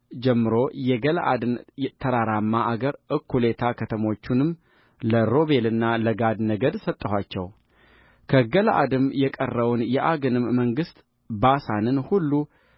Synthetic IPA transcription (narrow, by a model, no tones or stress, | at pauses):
d͡ʒɛmːɨɾo̞jɛɡəlʔa̰d̪ɨnt̪ʰəɾaɾamːaʔaɡəɾʔɨkʰːule̞t̪ʰakʰət̪ʰəmo̞t͡ʃːunɨm | ləɾo̞βe̞lɨnːaləɡad̪nəɡəd̪sət̪ʼːəhʷat͡ʃːɛ̰w | kʰəɡəlʔa̰d̪ɨmjɛkʼərːəwnjɛʔaɡɨnɨmːəŋɡɨst̪ʼ | basanɨnhulːu